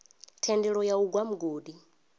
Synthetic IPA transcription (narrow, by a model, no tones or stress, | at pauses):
tʰɛndɛɺɔjauɡwam̩ɡoːdi